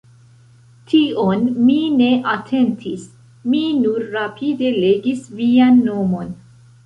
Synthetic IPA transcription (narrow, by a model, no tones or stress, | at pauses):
tʰionmine̞ʔatʰe̞ntʰis | minuɾːapʰide̞le̞ɡisvianːo̞mo̞n